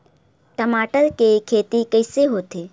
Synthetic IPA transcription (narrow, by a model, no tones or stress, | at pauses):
ʈəmaːʈəlkekʰeːt̪ikəɪseɦoːt̪eː